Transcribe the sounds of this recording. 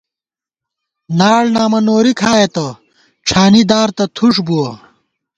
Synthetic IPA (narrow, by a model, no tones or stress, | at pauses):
naːɽnaːmɐnoːɾikʰaːjet̪ɐ | ʈ͡ʂʰaːnid̪aːɾt̪ɐt̪ʰuʂbuɐ